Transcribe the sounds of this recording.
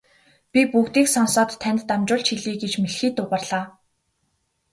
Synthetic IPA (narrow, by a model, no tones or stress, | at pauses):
pʲipukt̪iːksɔnsɔːt̪ʰːænʲt̪t̪amt͡ɕʊːɮt͡ɕxiɮiːɡet͡ɕmeɮxiːt̪ʊpə̆rɮaː